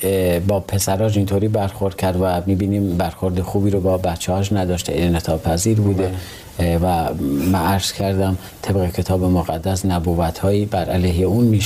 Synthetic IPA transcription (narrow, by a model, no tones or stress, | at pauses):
bɒːpʰe̞sæɾɒːʃ̬int̪ʰoɾiːbæɾxo̞ɾd̪̥̚cʰæɾd̪væmiːbiːniːmbæɾxo̞ɾd̪exuːbiːɾobɒːbæt̪t͡ʃʰːɛhɒʃ̬næd̪ɒːʃt̪eʔinet̪ʰɒːpʰæziːɾbuːd̪e | væmænæɾz̥kʰæɾd̪æm | t̪ʰe̞bɣecʰe̞t̪ʰɒːbemoɣæd̪ːæsnæbuːvæt̪ʰhɒːjiːbæɾʔæleɦeuːnmiʃ